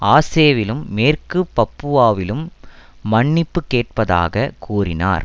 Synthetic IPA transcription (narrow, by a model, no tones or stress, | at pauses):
aːseːʋɪlɯmːeːrkɯpːɐpːɯʋaːʋɪlɯmː | ɐɳːɪpːɯkːeːʈ̚pɐða̰ːɣɐkʰuːrɪna̰ːɾ